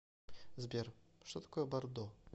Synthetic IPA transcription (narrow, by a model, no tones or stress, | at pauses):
zbʲerʂt̪ɔt̪ɐ̥kɔjɛbɐrd̪ɔ